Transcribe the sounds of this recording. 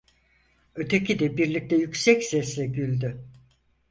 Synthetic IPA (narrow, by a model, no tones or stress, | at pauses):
øt̪ʰecʰid̪ɛbiɾlʲic̚t̪ʰɛjycʲsɛcsɛslɛɟylʲd̪y